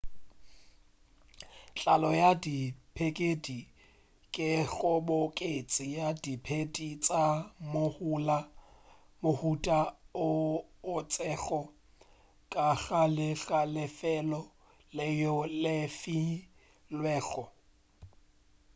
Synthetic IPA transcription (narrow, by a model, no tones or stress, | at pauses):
t͡ɬʼalɔjadipʰekʼedi | kʼɪɣɔbokʼet͡sʼɪjadipʰedit͡sʼamohula | mʊhutʼaʊː | t͡sʼɛχɔ | kʼaɣalɪɣalɪfɛlɔ | lɪjɔlɪfi | lwɛːɣɔ